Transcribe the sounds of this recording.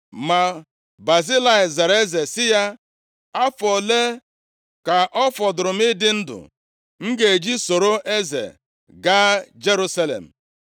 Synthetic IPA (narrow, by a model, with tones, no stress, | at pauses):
ma˨ | ba˨zi˦la˦˨ɪ˨za˨ɾe˦ze˨sɪ˦ja˦ | a˦fɔ˨le˦ | ka˨ʔɔ˦fɔ˨dʊ˨ɾʊ˨m̩˦ɪ˦dɪ˦n̩˦dʊ̰˨ | ŋ̩˦ɡe˨d͡ʒi˦so˨ɾo˦ʔe˦zḛ˨ | ɡa˦d͡ʒe˦ɾu˦sa˦lḛ˨m̩˨